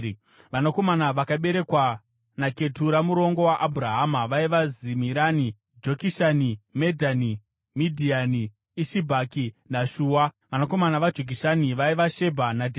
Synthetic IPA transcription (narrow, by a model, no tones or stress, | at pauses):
ʋanako̞manaʋakaɓe̞ɾe̞kwa | nake̞tuɾamuɾo̞ŋɡo̞waʔabʱuɾaɦamaʋaiʋazimiɾani | d͡ʒokiʃanimedʱani | midʱianiː | ʃibʱakinaʃuːwa | ʋanako̞manaʋad͡ʒʱiɡ̬ʱiʃaniʋaiʋaʃe̞bʱanadʱe